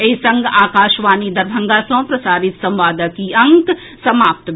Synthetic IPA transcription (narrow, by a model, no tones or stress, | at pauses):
eisɐ̃ŋɡaːkaːʃʋaːnid̪ɐɾbʱɐ̃ŋɡasõpɾɐsaːɾɪt̪sɐ̃mʋaːd̪əkiɐ̃ŋk | sɐmaːp̚t̪